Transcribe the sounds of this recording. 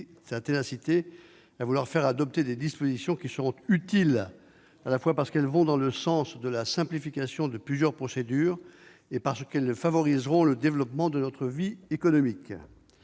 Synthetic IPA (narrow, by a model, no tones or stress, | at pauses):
sat̪enasit̪e | avulwaʁfɛʁad̪ɔp̚t̪ed̪ed̪ispozisjɔ̃kʲisəʁɔ̃t̪yt̪il | alafwapaʁsə̥kɛlvɔ̃d̪ɑ̃ləsɑ̃sd̪əlasɛ̃plifikʲasjɔ̃d̪əplyzjœʁpχɔsed̪yːʁ | epaʁsəkɛlfavɔʁizʁɔ̃ləd̪evlɔpmɑ̃d̪ənɔt̪χəviekɔnɔmik